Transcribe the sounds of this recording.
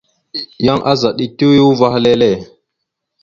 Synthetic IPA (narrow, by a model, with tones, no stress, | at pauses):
ja˦ŋʔa˦za˨ɗi˦tu˦ju˦va˦xle˦le˦˨